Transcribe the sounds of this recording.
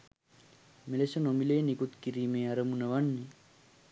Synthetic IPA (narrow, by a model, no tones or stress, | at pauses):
melesənomilejːnikut̪kiɾiːmeːaɾəmunəʋanːi